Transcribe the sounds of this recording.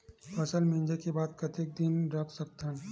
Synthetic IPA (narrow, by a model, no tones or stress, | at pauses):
pʰɐsəlmẽnd͡ʒekebaːd̪̚kɐt̪ʰek̚d̪ɪnɾɐkʰsək̚t̪ʰən